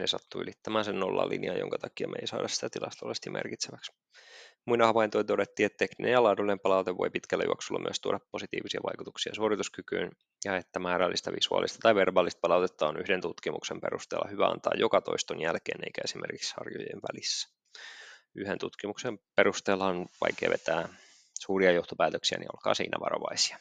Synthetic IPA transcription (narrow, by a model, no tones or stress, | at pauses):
nesɑt̪ːuy̰lit̪ːæmæːnsenːolːɑ̰lːḭniɑjoŋkɑt̪ɑkiɑmʔḛisɑ̰ːdʔɑssi̥t̪æt̪ilʔɑst̪olest̪imʔḛrkit̪seʋæks | muinɑhɑʋɑint̪oint̪odet̪ːiːet̪ːekninḛjɑlɑːdulːinempɑlɑut̪eʋʋo̞̰jpit̪kælːæ̰jṵo̰ksulːɑ̰my̰əst̪uo̰ɾɑpːosit̪ḭːʋisiɑʋɑjkut̪uksiɑsuorit̪uskykyːn | jɑet̪ːæmɑːɾɑlːist̪ɑʋisuɑ̰ːlist̪ɑt̪ɑjʋerbɑːlːist̪̚pɑlɑuwt̪et̪ːɑonyhdent̪ut̪kimuksempeɾust̪eːlːɑ̰hyʋæɑ̰nt̪ɑ̰ːjokɑt̪o̞̰ist̪onjælkeːnḛijkæesimʔḛrkikshɑ̰rjojḛnʋælisːæ̥ | yhent̪ut̪kimuksempeɾust̪eːlːɑnʋɑ̰jkeːʋet̪æː | suːriɑjoht̪opæːt̪øksiænʔḭo̰lkɑ̰ːsḭːnʔæʋɑ̰ɾoʋɑisi̥ɑ̥